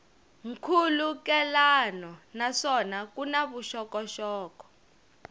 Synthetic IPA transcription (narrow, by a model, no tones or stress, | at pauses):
ŋ̩kʰulukɛlanɔnaʂɔnak̬unaβuʃɔkɔʃɔːkɔ̥